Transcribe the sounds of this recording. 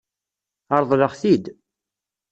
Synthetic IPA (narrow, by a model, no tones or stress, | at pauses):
ɑɾˤðˤləʁθid̪